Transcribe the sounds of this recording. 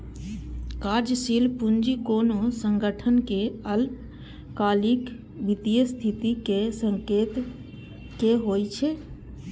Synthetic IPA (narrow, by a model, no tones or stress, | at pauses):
kaɾd͡ʒəsilpund͡ʒikonosəŋɡəʈʰənkeəl | kalik | bit̪ijəst̪ʰit̪ikesəŋkeːt̪ | keɦojt͡ʃʰe